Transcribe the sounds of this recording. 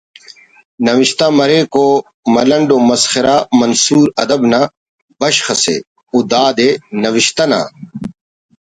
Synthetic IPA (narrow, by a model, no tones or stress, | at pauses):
nɐʋiɕt̪amɐɾeːko | mɐlɐɳɖoːmɐsxɪɾaːmɐnsuːɾɐd̪ɐbna | bɐɕxɐsḛː | ud̪aːd̪enɐʋiʃt̪ɐna̰ː